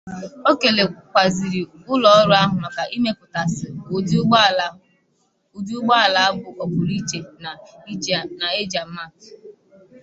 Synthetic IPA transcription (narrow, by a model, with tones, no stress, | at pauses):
o˦ke˨le˨kʷa˨zi˨ɾi˨ | ʊ˦lɔ˨ɔ˦ɾʊ˦a˦ɦʊ˨nɔ˨ka˨ʔi˦me˦pʊ˨ta˨sɪ˨ | ʊ˨d͡ʒu˦ʊ˦ɡ͡ba˦a˨la˨a˦bʊ˨ʔɔ˨bʊ˨ɾi˦t͡ʃe˨n˨˦ | na˨e˦d͡ʒa˨m̩˦ma˦˨k